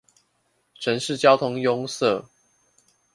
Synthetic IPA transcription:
ʈ͡ʂʰə˨˦nʂɻ̩˥˨t͡ɕjɑ˥˦ʊt̪ʰʊ˦ŋjʊ˦ŋsə˥˨

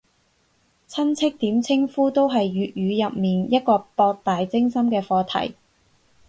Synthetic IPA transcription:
t͡sʰɐ˥nt͡sʰɪ˥k̚t̪iː˨˥mt͡sʰɪ˥ŋfuː˥t̪o˥wɦɐ˨jɥyː˨t̚jyː˨˧jɐ˨p̚miː˨njɐ˥t̚kɔː˧pɔː˧k̚t̪aː˨jt͡sɪ˥ŋsɐ˥mkɛː˧fɔː˧t̪ʰɐ̰˨˩j

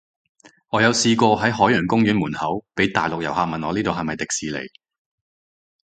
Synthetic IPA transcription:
ŋɔː˨˧jɐ˨˧wsiː˧kɔː˧ɦɐ˨˥jɦɔː˨˥jœː˨˩nkʊ˥ŋjyː˨˥nmuː˨˩nhɐ˨˥wpe˨˥jt̪aː˨jlʊ˨k̚jɐ˨˩wɦaː˧k̚mɐ˨nɔː˨˧liː˥t̪o˨ɦɐ˨mɐ˨jt̪ɪ˨k̚siː˨lḛ˨˩j

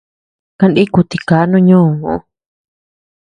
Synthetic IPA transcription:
kã˧nɗi˦ku˧t̪i˧˨kaː˨˦nũ˦˧ɲũː˦˨ũ˧˦˧

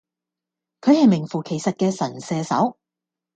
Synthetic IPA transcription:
kʰɵ˨˧ɥhɐ˨jmɪ˨˩ŋfuː˨˩kʰe˨˩jsɐ˨t̚kɛː˧sɐ˨˩nsɛː˨˧sɐ̰˨˥w

